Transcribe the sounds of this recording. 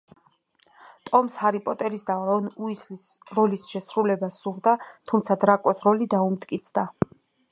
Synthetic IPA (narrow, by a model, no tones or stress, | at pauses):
t̪ʼɔmshaɾipʼɔt̪ʼɛɾisd̪aɾɔnuislis | ɾɔlisʃɛsɾulɛbasuʁd̪at̪ʰumt̪sʰad̪ɾakʼɔsɾɔlid̪aumt̪ʼkʼit̪sʰd̪a